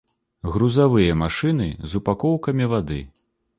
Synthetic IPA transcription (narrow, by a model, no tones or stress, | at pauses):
ɣɾuzavɨjɐmaʂɨnɨ̰zupakɔwkɐmʲivad̪ɨ̰